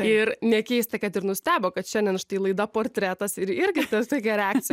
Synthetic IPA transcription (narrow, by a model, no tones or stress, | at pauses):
ɪɾnʲɛkʲɛɪst̪ɐkɐt̪ɪɾnʊsʲt̪ʲæːboːkɐt̪ʃʲɛnʲdʲɛnʃt̪ɐɪlˠɐɪd̪ɐpoːrʲt̪ʲɾʲæt̪ɐsɪɾɪɾʲɡʲɪt̪ɐst̪oːkʲɛɾʲɛæːk̚t͡sʲɪj